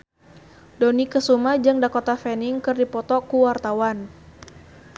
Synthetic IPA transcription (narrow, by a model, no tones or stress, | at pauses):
donikəsumad͡ʒaŋdakot̪afɛniŋkɨrdipɔt̪ɔkuwart̪awan